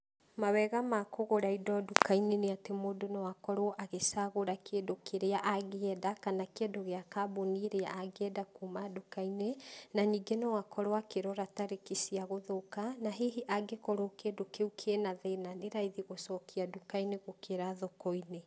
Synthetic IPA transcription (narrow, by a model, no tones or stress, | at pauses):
mawɛɣamakoɣoɾaidɔdukaineneatemoːdonɔwakɔɾɔʔaɣesaɣoɾakedokeɾeaʔaɣeɛdakanakeɛdoɣeakaboniɾea̰ʔaɡɛdakumadukainenaɲiːɡenɔwakɔɾwakeɾɔɾataɾekisiaɣoðokanaɦeɦiʔaɡekɔɾokedokeukʰenaðenaneɾaiðiɣosɔkiadukaineɣokʰeɾaðokɔine